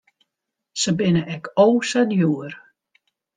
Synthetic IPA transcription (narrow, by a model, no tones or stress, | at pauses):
səbɪnəʔɛkʰowsadjuər